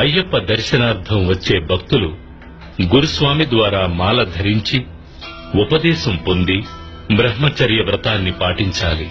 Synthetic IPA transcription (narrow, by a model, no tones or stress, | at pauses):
ɐjːɐpːɐd̪ɐɾʃɐnaːɾt̪ʰɐmʋɐt͡ʃːe̞ːbʱɐkt̪ulu | ɡuɾusʋaːmid̪ʋaːɾaːmaːlɐd̪ʱɐɾiɲt͡ʃi | upɐd̪ɛːʃɐmpo̞nd̪i | bɾɐɦmɐt͡ʃɐɾjɐʋɾɐt̪aːnːipaːʈiɲt͡ʃaːli